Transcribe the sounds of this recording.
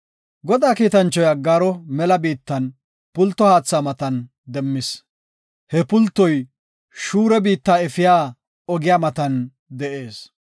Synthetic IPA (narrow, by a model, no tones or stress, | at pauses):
ɡɔd̪aːkiːt̪ɐnt͡ʃːɔjɐɡaːɾɔmɛlɐbiːt̪ːɐn | pʊlt̪ːɔhaːt͡sːaːmɐt̪ɐn | d̪ɛmːɪs | hɛpʊlt̪ːɔj | ʃuːɾɛbiːt̪ːaːɛfɪjaː | ɔɡɪjaːmɐt̪ɐn | d̪ɛʔe̞ːs